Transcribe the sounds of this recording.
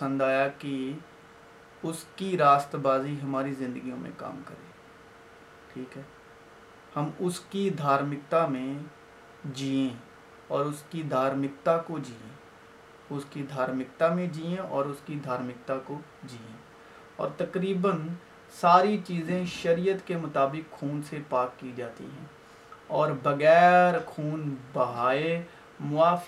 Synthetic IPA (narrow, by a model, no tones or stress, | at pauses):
sə̃nd̪aːjaki | ʊskiɾaːst̪ɾəbaːziɦɐmaːɾizɪ̃nd̪əɡijõmḛ̃ka̰ːmkə̰ɾḛ̃ː | ʈʰiːkɦɛː | hɐmʊskid̪ʱaːɾmɪk̚t̪amẽ | d͡ʒiːẽ | ɔːɾʊskid̪ʱaːɾmɪkt̪akod͡ʒiːḛ̃ | ʊskid̪ʱaːɾmɪk̚t̪amẽd͡ʒiːẽɔːɾʊskid̪ʱaːɾmɪk̚t̪ako | d͡ʒiːẽ | ɔ̰ːɾt̪ɐkɾiːbən | saːɾit͡ʃiːzẽʃɐɾijət̪kemʊt̪aːbɪkxʰuːnsepaːkːid͡ʒaːt̪ḭɦɛ̰̃ː | ɔːɾbɐɣɛːɾkʰuːnbɐɦaːe | mʊaːf